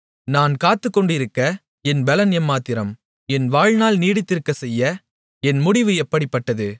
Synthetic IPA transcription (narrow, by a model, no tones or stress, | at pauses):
naːnkaːt̪ːɯkːɔɳɖɪɾɯkːɐ | ɛnbɛlɐnjɐmːaːt̪ɪɾɐm | ɛnʋaːɻnaːlniːɽɪt̪ːɪɾkːɐsɛjːɐ | ɛnmʊɽɪʋɯɛpːɐɽɪpːɐʈːɐðɯ